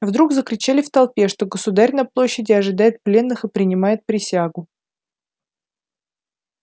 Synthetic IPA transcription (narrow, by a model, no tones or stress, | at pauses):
vd̪ɾuɡzəkɾʲɪt͡ɕalʲɪft̪ɐlˠpʲe̞ʂt̪o̞ɡəsʊd̪aɾʲnɐplˠo̞ɕːɪdʲɪɐʐɨd̪ajɪt̪̚plʲe̞nːɨxɨpɾʲɪnʲɪmajɪt̪̚pɾʲɪsʲaɡʊ